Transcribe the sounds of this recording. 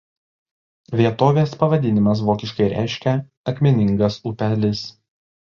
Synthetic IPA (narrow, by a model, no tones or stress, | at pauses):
ʋʲiɛt̪oːʋʲeːspɐʋɐd̪ʲɪnʲɪmɐs̬ʋoːkʲɪʃkɐɪɾʲæ̰ɪʃʲkʲɛ | ɐkʲmʲɪnʲɪŋɡɐsupʲɛlʲɪs